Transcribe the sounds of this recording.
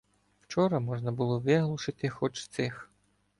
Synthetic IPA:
w̥t͡ʃɔɾɐmɔʒnɐbʊlˠɔʋɪɦlˠʊʃɪt̪ɪxɔt͡ʃt̪sɪx

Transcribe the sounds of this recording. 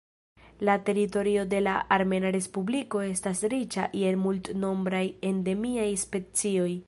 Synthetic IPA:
late̞ɾito̞ɾio̞de̞laːɾme̞naɾe̞spubliko̞e̞stasɾit͡ʃaʔie̞lmultno̞mbɾaje̞nde̞miajspe̞t͡sio̞j

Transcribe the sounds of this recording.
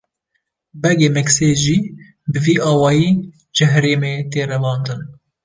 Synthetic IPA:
bɛɡeːmɛkseːʒiː | bɨviːʔɑːwɑːjiː | d͡ʒɨɦæɾeːmeːt̪eːrɛvɑːnd̪ɨn

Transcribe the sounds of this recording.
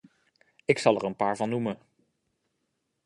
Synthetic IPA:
ɪksɑlˠɛɹənpaːɹvɑnːumə

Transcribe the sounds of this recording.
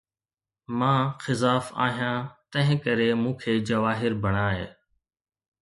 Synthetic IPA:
mãːxɪzaːfa̰ːɦijãːt̪ə̃ɦɪ̃kəɾeːmũːkʰeːd͡ʒəʋaːɦɪɾbʱəɳaːɦḛː

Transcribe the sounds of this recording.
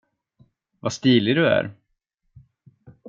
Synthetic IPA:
vast̪iːlɪd̪ɵæ̰ɾ

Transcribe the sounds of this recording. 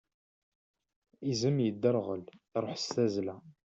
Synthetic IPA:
izəmjəd̪ːəɾʁəlɾˤoħsæzlæ

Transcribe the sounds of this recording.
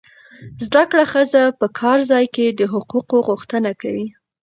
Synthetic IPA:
zd̪akɽaxəzapəkʰɑɾzɑjked̪əɦʊquqoɣuxt̪ənakawi

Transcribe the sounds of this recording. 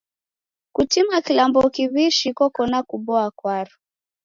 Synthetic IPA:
kutimakilambɔkiβiʃikɔkɔnakuɓɔakwaɾu

